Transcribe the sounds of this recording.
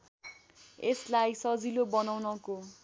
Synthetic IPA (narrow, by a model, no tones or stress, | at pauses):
eslajsʌd͡zilobʌnawnʌko